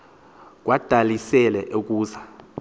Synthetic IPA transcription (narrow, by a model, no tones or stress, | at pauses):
k̬wad̥ʱalisɛlɛʔok̬ʼuːza